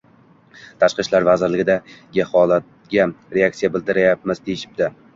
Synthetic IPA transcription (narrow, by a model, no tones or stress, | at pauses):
t̪ʰaʃqɨʃlaɾvazɪɾlɪɡʲɪd̪aɡʲɪhɒlˠat̪̚ɡʲaɾeak̚t̪sijabɪld̪ɪɾajap̚mɪz̥t̪ʰejɪʃɪ̥b̚d̪ɪ